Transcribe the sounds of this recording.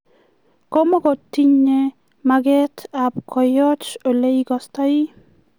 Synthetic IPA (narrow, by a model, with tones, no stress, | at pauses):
ko˦mɔ˦ɡɔ˨ti˦ɲe˦ | maɡɛ˦tabkʰɔ˨jɔ˦t͡ʃo˨le˦iɡɔsta˦i˦